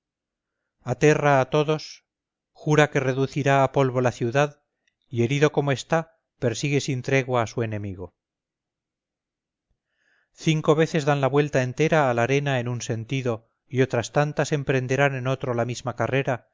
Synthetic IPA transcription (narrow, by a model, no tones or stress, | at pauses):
at̪e̞raːt̪o̞ðo̞s | xuɾake̞re̞ðuθiɾaːpo̞lβo̞laθjuðað | ie̞ɾiðo̞ko̞moe̞st̪a | pe̞ɾsiɣe̞sint̪ɾe̞ɣwaːsue̞nẽ̞miɣ̞o̞ | θiŋko̞β̞e̞θe̞zðanlaβwe̞lt̪ae̞nt̪e̞ɾaːlaɾe̞nae̞nunse̞nt̪iðo̞ | io̞t̪ɾast̪ant̪ase̞mpɾe̞nd̪e̞ɾanẽ̞no̞t̪ɾo̞lamizmakare̞ɾa